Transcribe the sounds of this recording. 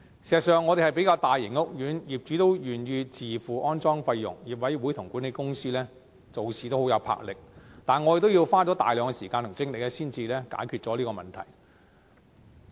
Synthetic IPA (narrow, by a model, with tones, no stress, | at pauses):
siː˨˩zɐ˨t̚sœː˨ŋːɔː˨˧ɾe˨˩hɐ˨˩jpe˨˥kaː˧wt̪aː˨jːɪ˨˩ŋʊ˥k̚jyː˨˥njiː˨˩p̚t͡ʃyː˨˥t̪o˥wjyː˨˩nɥyː˧t͡siː˨fuː˨ʔɔː˥nt͡sɔː˥ŋfɐ˧jːʊ̰˨˩ŋjiː˨p̚wɐ˨˥jwuː˨˥jt̪ʰʊ˨˩ŋkuː˨˥ne˨˧jkʊ˥ŋsiː˥lɛː˥ | t͡so˨wsiː˨t̪o˥hwjɐ˨˧wpʰa̰ː˧k̚lɪ˨k̚t̪aː˨˩nŋɔ˨˧˥je˨k̚t̪o˥wjiː˧wfaː˥t͡sɔː˨˥t̪aː˨jlœː˨˧ŋkɛ˧siː˨˩kaː˧t̪ʊ˨˩ŋt͡sɪ˥ŋlɪ˨k̚ɛː˥siː˥nt͡siː˧lɛː˥ka̰ː˨˥jkʰyː˧t̚t͡sɔː˨˥liː˥kɔː˧mɐ̰˨˩nt̪ʰɐ̰˨˩j